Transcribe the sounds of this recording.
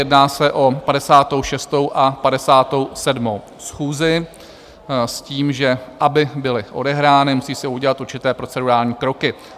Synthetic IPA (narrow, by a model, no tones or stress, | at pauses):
jɛdnaːsɛʔo̞padɛsaːt̪o̞wʃɛst̪o̞wʔapadɛsaːt̪o̞wsɛdmo̞w | sxuːzɪ | sciːmʒɛʔabɪbɪlɪʔodɛɦɾaːnɪmusiːsɪuɟɛlat̪uɾt͡ʃɪt̪ɛːpɾo̞t͡sɛduɾaːlɲiːkɾo̞kɪ